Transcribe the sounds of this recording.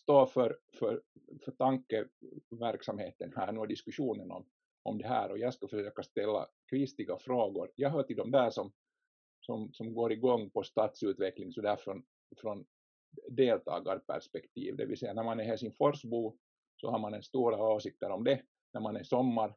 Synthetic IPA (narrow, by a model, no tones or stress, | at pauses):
st̪oːfœɾfœɾfœʈɑŋkːəʋæɾksamheːt̪ənhæ̰ːnʉːæd̪ɪskʉʂuːnənɔ̰m | ʔɔmd̪ɛɦæ̰ːɾɔjɑːɡskɑfœʂøːkast̪ɛlːa̰kʰɾɪst̪ɪɡafɾoːɡʊɾjɑːɦœːʈɪld̪ɔmd̪æːʂɔm | sɔmsɔmɡoːɾɪɡɔŋːpɔst̪ɑːt̪sʉːt̪ʋɛklɪŋsɔd̪æfɾɔn | fɾɔn | d̪eːlt̪ʰɑ̰ːɡaɾpʰæ̰spɛkt̪ʰḭːvd̪ɛ̰ʋɪ̰lsɛjːanæɾmanæɾhæsɪnfɔɾsbuː | sɔ̰hɑɾmanɛnst̪uːɾaoːsɪk̚t̪əɾɔmd̪ɛ | næɾmanɛsɔmːɑɾ